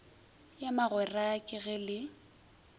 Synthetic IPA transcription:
jamaɣwɛraakʼɪɣɛlɪ

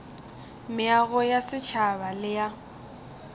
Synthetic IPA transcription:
mɪaɣɔjasɪt͡ʃʰabalɪja

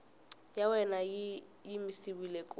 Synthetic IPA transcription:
jawɛna | jimɪsiwilekʼʊ

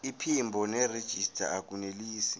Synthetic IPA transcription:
ipʰimbʱɔnɛred̥ʒ̥ʱistʰʼa̰ak̬ʼuneliːsi̥

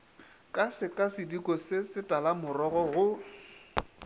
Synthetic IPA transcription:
kʼasɪkʼasɪdikʼɔsɪsɪtʼalamʊrɔɣɔɣʊ

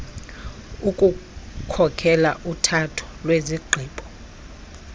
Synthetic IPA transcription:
ukʼukʰɔkʰɛla̰ʔutʰatʰɔ̥lweziɡ͡ǃʱiːɓʰʱʼɔ̥

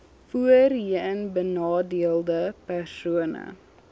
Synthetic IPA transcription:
fuərɦiːənbənɑːdiəlˠdəpærsuənə̰

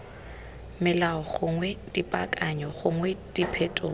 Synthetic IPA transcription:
mɪlaɔχʊŋwɛdʼipʼa̰kʼaɲɔχʊŋwɛdipʰɛtʼo̰ː

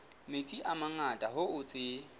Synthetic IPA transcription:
met͡sʼiʔamaŋatʼaɦʊʊt͡sʼɪ

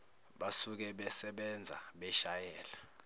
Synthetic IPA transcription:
ɓasuk̬ɛɓɛsɛɓɛnd͡zʱa̰ɓɛʃajɛːla

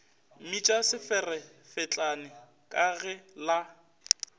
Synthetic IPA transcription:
mit͡ʃʼasɪfɛrɛfɪt͡ɬʼanɪ | kʼaɣɛla

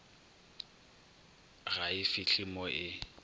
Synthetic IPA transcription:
ɣaɪfɪɬimɔʔɪ

